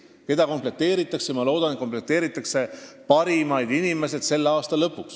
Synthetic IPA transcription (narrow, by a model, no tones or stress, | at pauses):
ke̞d̪̥ɑko̞mple̞t̪ːˑeːɾit̪ːˑɑksejmɑlo̞ːd̪̥ɑnet̪komple̞t̪ːˑe̞ːɾit̪ːˑɑkse̞pɑɾimɑjd̪inime̞se̞d̪̥se̞lːeɑːst̪ɑlɤpːˑuks